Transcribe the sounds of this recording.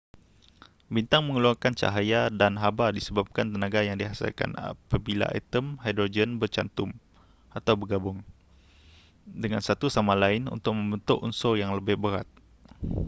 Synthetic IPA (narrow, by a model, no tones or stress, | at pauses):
bint̪aŋməŋəluarkant͡ʃa̰ɦajadanɦabadisəbap̚kant̪ənaɡajaŋdiɦasḭlka̰na̰pabila̰ʔɛ̰t̪əmhajdɾod͡ʒənbərt͡ʃant̪ʊm | at̪awbərɡabʊŋ | dəŋansat̪usamalaɪnṵnt̪ʊk̚mə̃mbənt̪ʊʔunsojaŋləbɪhbəɾat̪̚